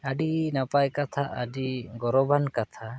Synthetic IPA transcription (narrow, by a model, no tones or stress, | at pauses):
aɖinapajkat̪ʰaʔəɖiɡɔɾɔbankat̪ʰa